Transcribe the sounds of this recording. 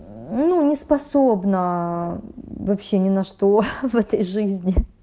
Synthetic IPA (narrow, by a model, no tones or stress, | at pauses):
nunʲɪspɐsobnə | vɐpɕːe̞nʲɪnɐʂt̪o̞vɛt̪əjʐɨzʲnʲɪ